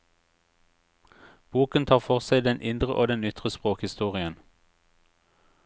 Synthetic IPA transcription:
b̥uːkənt̪ʰɑːʁfɔʁsæɪd̪ɛnʔɪnd̪ʁəʔoːd̪ɛnʏt̪ʁəspʁoːkhɪst̪uːʁɪən

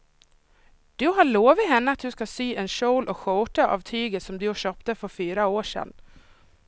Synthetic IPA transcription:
d̪̥ɵɦaɭoːvɪɦɛnːəat̪̚d̪ɵskasyːʔɛnɕoʊlʔɔkɧɔːʈaʔa̰vt̪ʰyːɡət̪sɔmd̪ɵjʊɕøːpt̪əfœɾfyːɾaoːʂɛ̰nː

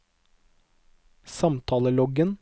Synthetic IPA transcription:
sɑmt̪ʰɑːləlɔɡən

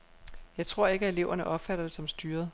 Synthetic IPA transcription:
jɑ̈ɪt͡sʰʁo̝ɐ̰e̝ɡ̥æe̝le̝ʊɐnəʔɒ̽b̥fæɾ̥ɐd̥esɒ̽msd̥yːɐð̞ˠ

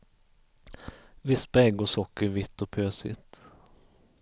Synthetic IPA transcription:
vɪsbɛɡɔsɔkːəɾvɪt̪ːɔpʰøːsɪ̰t̪

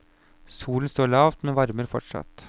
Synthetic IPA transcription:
suːlən̩st̪oːɭɑːʋt̪mɛnʋɑɾməɾfɔʈʂɑ̰t̪

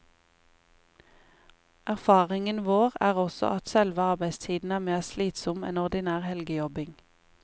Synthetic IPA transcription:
æʁfɑːʁɪŋənʋoːʁæːʁɔsɔ̰ʔɑt̪sɛlʋəɑʁbæɪst̪ʰiːd̪n̩æːmeːʁsliːt̪sɔmḛːnɔʁd̪ɪnæːʁhɛlɡəjɔbɪŋ

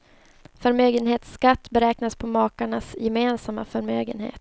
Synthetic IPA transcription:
fœɾmøːɡənɦeːt̪skat̪ːbɛɾɛːknaspʰɔmɑːkaɳasjɛmeːnsamːa̰fœɾmøːɡənhḛːt̪

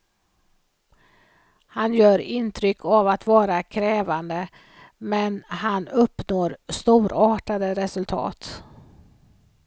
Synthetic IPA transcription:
hanjœːɾɪnt̪ʰɾʏkʰːavat̪vɑːɾakʰɾɛːvand̪ə | mɛnhanɵpːnoːɾst̪uːɾɑːʈad̪əɾɛsɵlt̪ʰɑ̰ːt̪

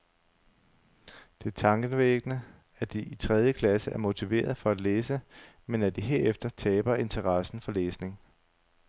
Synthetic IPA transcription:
d̥e̝t͡sʰɑ̈ŋɡ̥ənʋeɡ̥ənə | æd̥iit͡sʰʁɛð̞ˠjəkʰlæsəʔæɐmo̝t͡sʰiʋe̝̰ːɐð̞ˠfɒ̽æd̥leːsə | menæd̥iɦe̝ɐefd̥ɐt͡sʰɛːb̥ɐe̝nt͡sʰɐʁɑsn̩fɒ̽leːsne̝ŋ

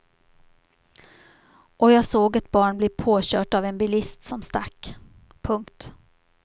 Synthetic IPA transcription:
ʔɔjɑːɡsoːɡat̪̚bɑːɳblɛːpʰoːɕœːʈavɛnbɪlɪst̪sɔmst̪a̰kː | pʰɵŋkt̪

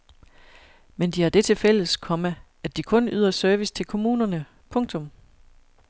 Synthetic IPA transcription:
mend̥ihɑ̈d̥e̝t͡sʰe̝fel̰əskʰɒ̽mə | ædd̥ikʰɔ̽nyð̞̰ˠɐsœɐʋist͡sʰe̝lkʰo̝muːnɐnə | pʰɔ̽ŋt͡sʰɔ̽m

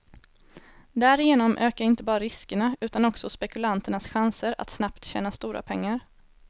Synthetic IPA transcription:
d̪æːɾɪjeːnɔmʔøːkaɾɪnt̪əbɑːɾaɾɪskəɳaʉ̟ːt̪anɔksɔspɛkɵlant̪əɳasɧansəɾa̰t̪snapt̪ɕɛ̰ːnast̪uːɾa̰pʰɛŋːaɾ

